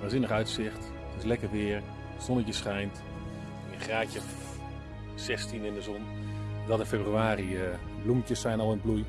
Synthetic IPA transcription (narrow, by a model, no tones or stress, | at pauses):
ʋazɪnəχœɥtsɪχt | tɪslɛkərʋɪːɹ | sɔnəcəsχɛjnt | əχraːcə | sɛstinɪndəzɔn | ɔdɑtɪnfebryaːri | bluməcəsːɛjnɑlˠɪnbluj